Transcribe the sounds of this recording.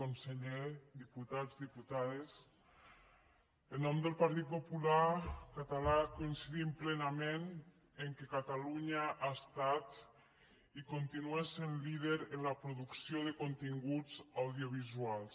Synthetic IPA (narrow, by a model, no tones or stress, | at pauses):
onseʎed̪iput̪azðiput̪aðes | ənɔmd̪əlˠpaɾt̪it̪̚populakat̪alakoinsiðimplenamen | eŋkekat̪aluɲaʔaest̪at̪ | ikont̪inuesenliðeɾenlapɾoðuksjoðekont̪iŋɡud͡zawðioβ̞izualˠs